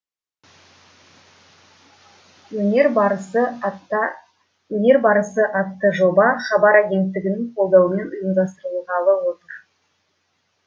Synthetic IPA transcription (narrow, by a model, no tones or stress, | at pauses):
ɵneɾbɾsə | wɵne̞ɾbɑɾəsəʔɑt̪ːəʒo̞bɑχɑbɑɾæɡʲe̞nt̪ːɪɡʲɪnɪŋqʰo̞lˠd̪ɑwəme̞nʊjəmd̪ɑst̪əɾulˠʁɑlˠəwo̞t̪əɾ